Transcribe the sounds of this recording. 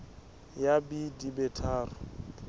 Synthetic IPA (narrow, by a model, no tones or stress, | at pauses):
jabidibɛtʰaːrʊ